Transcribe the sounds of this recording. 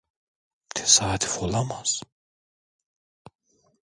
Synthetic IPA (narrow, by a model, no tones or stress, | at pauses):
t̪ʰe̥sat̪ʰi̥folamaz̥